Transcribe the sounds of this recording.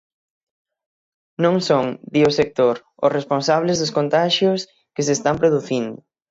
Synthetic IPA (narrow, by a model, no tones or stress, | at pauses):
nõŋsoŋd̪iosek̚t̪oɾ | ʊ̰sresponsaβlezðʊskõnt̪aʃjʊs | kesest̪ampɾoðuθind̪ʊ